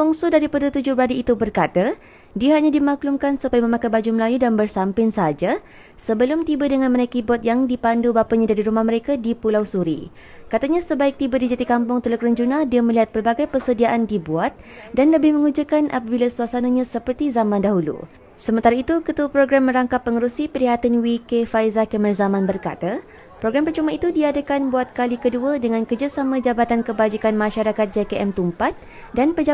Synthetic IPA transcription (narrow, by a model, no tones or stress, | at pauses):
puŋsudaɾipadat̪ud͡ʒʊbəɾadiːt̪ubərkat̪a | diaɦaɲadimaklumkansupajmə̃mãkajbad͡ʒuməlajudanbərsampɪnsəɦad͡ʒa | səbəlʊmt̪ibadəŋanmənajkibɔt̪̚jaŋdipandubapaɲadaɾiɾumahməɾekadipulawsuɾḭ | kat̪aɲãsəbaɪk̚t̪ibadid͡ʒat̪ikampʊŋt̪ələkɾəɲd͡ʒunadiamə̃liɦat̪̚pərbaɡajpərsədiaʔandibuat̪̚danləbɪhmə̃ŋud͡ʒakanʔa̰pabilasuasanaɲãsəpərt̪izamãndaɦulṵ | səmənt̪aɾait̪ukət̪uapɾoɡɾamːə̃ɾaŋkapːəŋəɾusipəɾiɦat̪anwikefajzakəmərzamãnbərka̰t̪a | pɾoɡɾampərt͡ʃomãit̪udiadakanbuat̪̚kalikəduadəŋãnkərd͡ʒasamãd͡ʒabat̪ankəbad͡ʒikanmãʃaɾakat̪̚d͡ʒekeʔɛmt̪umpat̪̚ | danpə